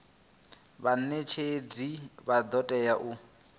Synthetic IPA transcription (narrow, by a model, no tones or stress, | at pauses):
βanet͡ʃʰed͡ziβad̪ɔtʼɛjaʔu